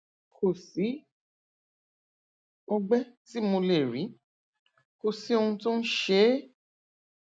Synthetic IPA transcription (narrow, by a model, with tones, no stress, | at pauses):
kʰo˨si˨˦ | o˧ɡ͡bɛ˦ti˨˦mo˧le˨ɾĩ˨˦ | ko˨si˨˦o˧ũ˧tũ˦n̩˦ʃe˦